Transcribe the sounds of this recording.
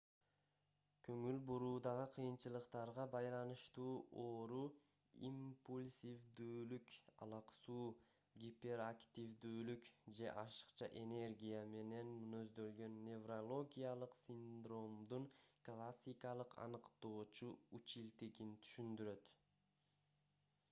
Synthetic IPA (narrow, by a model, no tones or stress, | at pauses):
kʰøŋylbuɾuːd̪ɑʁɯqʰɯjɯnt͡ʃɯlˠɯqt̪ɑɾʁɑbɑjlˠɑnɯʃt̪uːʔoːɾu | ḭmpulʲsʲivd̪yːlykɑ̰lˠɑqsuː | ɡʲipʲe̞ɾakt̪ʲivd̪yːlykd͡ʒe̞ʔɑʃɯ̥qt͡ʃɑ̰ʔe̞ne̞rɡʲijame̞ne̞nmnø̞zd̪ø̞lɡø̞nːe̞vrolˠo̞ɡʲijalˠɯqsʲind̪ro̞md̪uɴklˠasʲːikɑlˠɯqʰɑ̰nɯqt̪o̞ːt͡ʃuut͡ʃilt̪iɡint̪ʰy̥ʃynd̪yɾø̞t̪